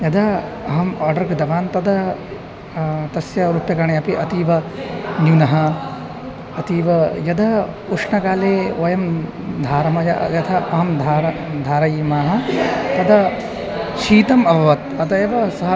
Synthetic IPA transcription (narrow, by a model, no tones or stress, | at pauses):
jɐd̪ɐɐɦɐmaːɾɖɐɾɡid̪ɐʋaːnt̪ɐd̪ɐ | t̪ɐsjɐɾupjɐkɐɾɳeɐpiʔɐt̪iːʋɐnjunɐɦɐ̆ | ɐt̪iːʋɐjɐd̪ɐuʂɳɐkaːleːoːjɐm | d̪ʱaːɾɐmɐjɐ̰jɐt̪ʰɐɐɦɐmd̪ʱaːɾɐd̪ʱaːɾɐjiːmaːɦɐ̆t̪ɐd̪ɐ | ʃiːt̪ɐmɐbʱɐʋɐt̪ɐd̪ɐjɐʋɐsɐɦɐ